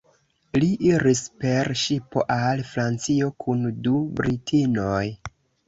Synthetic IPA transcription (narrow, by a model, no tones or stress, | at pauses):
liʔiɾispe̞ɾʃipo̰ʔalfɾant͡sio̞kʰundubɾitʰinoj